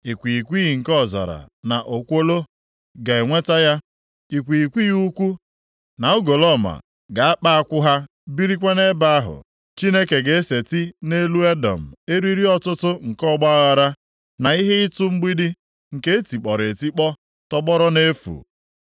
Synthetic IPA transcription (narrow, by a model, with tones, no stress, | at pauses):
i˨kʷi˨kʷi˦ɣi˨ŋ̩˨kɔ˦˨za̰˨ɾa̰˨na˨ʔo˨kʷo˦lo˦ | ɡa˨e˨ŋʷe˦ta˦ja˦ | i˨kʷi˨kʷi˦ju˦kʷu˦ | na˨ʊ˦ɡo˨lɔ˦˨ma̰˨ | ɡa˨a˦k͡pa˦a˦kʷʊ˦ɦa˦ | bi˦ɾi˦kʷe˦ne˦ba˨a˦ɦʊ̰˨ | t͡ʃi˦ne˦ke˨ɡe˨e˦se˨ti˦ne˦lu˦e˦dɔ̰˨m̩˨e˦ɾi˦ɾi˦ɔ˦tʊ˦tʊ˦ŋ̩˨kɔ˦˨ɡ͡ba˦ɣa˨ɾa˦ | na˨i˦ɦe˦ɪ˦tʊ˦ŋ͡m̩˦ɡ͡bi˦di˦ | ŋ̩˨ke˦e˦ti˨k͡pɔ˨ɾe˨ti˦k͡pɔ˦ | tɔ˦bɔ˦ɾɔ˦ne˦fṵ˨